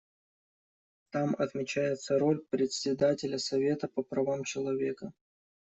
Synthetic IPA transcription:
t̪amɐt̪mʲɪt͡ɕæjɪt̪səɾo̞lʲpɾʲɪtsʲɪd̪atʲɪlʲəsɐvʲe̞t̪əpəpɾɐvamt͡ɕɪlˠɐvʲe̞kə

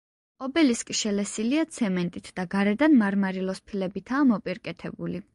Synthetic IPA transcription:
ɔbɛliskʼiʃɛlɛsiliat̪sʰɛmɛnt̪ʼit̪ʰd̪̥aɡaɾɛd̪anmaɾmaɾilˠɔspʰilɛbit̪ʰaːmɔpʼiɾkʼɛt̪ʰɛbuli

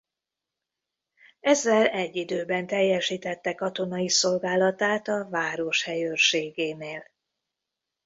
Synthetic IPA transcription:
ɛzːɛlɛɟːid̪øːbɛnt̪ɛjːɛʃiːt̪ɛt̪ːɛkɒt̪o̞nɒiso̞lɡaːlɒt̪aːt̪ɒvaːɾo̞ʃhɛjørʃeːɡeːneːl

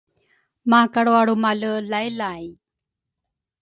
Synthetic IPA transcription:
makaɽoaɽumaləlajlaj

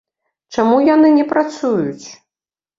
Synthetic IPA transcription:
t͡ʂamujanɨnʲɛpɾat̪sujut͡sʲ

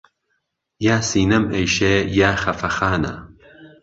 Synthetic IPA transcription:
jaːsiːnɐmɐjʃejaːxɐfɐxaːnɐ̰

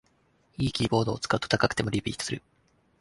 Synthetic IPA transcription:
iːkʲiːbo̞ːd̪o̞ːt͡sɨ̥kaɯ̟t̪o̥t̪akakɯ̟̥e̞mo̞ɾʲipʲḭːt̪o̥sɨɾɯ̟

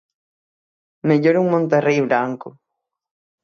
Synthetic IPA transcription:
meʎoɾuŋmõnt̪erejβɾaŋko

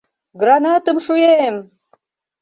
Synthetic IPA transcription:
ɡrɑnɑt̪əmʃujem

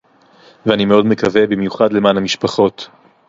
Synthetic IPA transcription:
veanimeo̞dmekavebimjuχadle̞maːnamiʃpaχo̞t

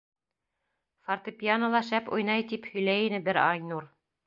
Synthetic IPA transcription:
fart̪ɤpʲjanə̆lˠɑʃæpṵjnɑjt̪iphɵ̆jlæjinɘbɘɾɑjnuɾ

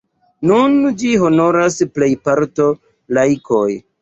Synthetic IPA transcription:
nund͡ʒiɦo̞no̞ɾasple̞jpaɾto̞ | lajkʰo̞j

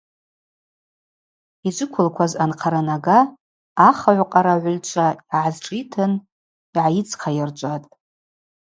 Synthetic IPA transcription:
id͡ʒʷʊkʷʰʊlkʷʰazanqʰaɾanaɡaː | χaʕʷqʼaɾaʕʷʊlt͡ʃʷʰaiʕazʈ͡ʂʼitʰɨn | iʕajit͡sʰʼqʰajart͡ʃʷʼatʼ

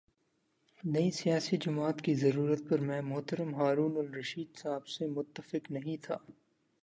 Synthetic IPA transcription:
nɐisijaːsid͡ʒʊmaːt̪kizɐɾuːɾət̪̚pɐɾmɛ̃ːmʊɦt̪əɾəmɦaːɾuːnʊlɾɐʃiːd̪saːbsemʊt̪ːəfɪknɐɦĩt̪ʰaː

